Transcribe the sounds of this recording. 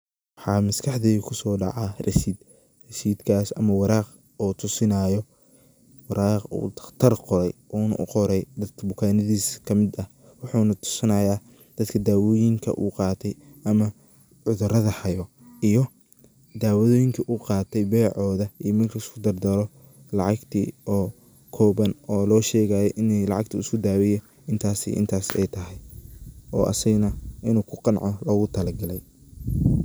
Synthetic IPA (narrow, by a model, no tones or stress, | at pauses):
wwɑħɑːmɐskʰɑħd̪ɛːɣkʰʊsɔːɖɑ̰ʕɑrɐʃiːd̪ | rɐʃiːd̪kʰaːsɐ̰mɐwɑɾaːq | ɔːt̪ʰʊsɪnajɔ | wɑɾaːqṵːd̪ɐt̪ʰɐrqɔɾɛjʔɔːnɐ̰ʔʊ̰qɔɾɛjd̪ɐd̪kʰɐbʊkʰaːnɐðiːskʰɐmɪd̪ɐ | wɑħuːnɐt̪ʰʊ̥sɐnɐjaː | d̪̥ɐd̪kʰɐd̪aːwɔːjɪŋkʰɐ̰ʔṵːqɑːt̪ʰɛjʔɐmɐ | ʕʊðʊɾɐðɐhɐjɔ | ijɔ | d̪aːwɐðɔːjɪŋkʰɐʔuqɑːt̪ʰɛjbɛjʕɔːðɐiːmɐrkʰɐɪskʰʊd̪ɐrd̪ɐlɔ | lɑʕɑɡt̪ʰḭːɔː | kʰɔːβɐnɔːlɔːʃɛːɣaːjɛjʔɪnɛlɑʕɑɡt̪ʰɐɪskʰʊd̪aːwɪjɛ | ɪnt̪ʰaːsḭːʔɪ̰nt̪ʰaːsɛ̰jt̪ʰɐɦɛj | ɔ̰ːʔɐ̰sɐɣnɐʔɪnuːkʰʊqɑnʕɔlɔɣʊt̪ʰɐlɐɡɐlɛj